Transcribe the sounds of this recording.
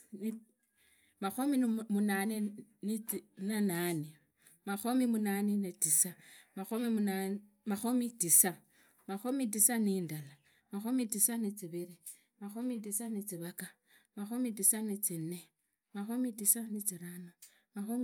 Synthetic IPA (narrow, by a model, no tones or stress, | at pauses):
ni | maxomimunaneninanane | maxomimunaninetisamaxomia | maxomitisa | maxomit̬isaniːndala | maxomitisanit͡siβiɾi | maxomit̬isanit͡siβaka | maxomitisanit͡sinːe | maxomitisanit͡siɾano | maxo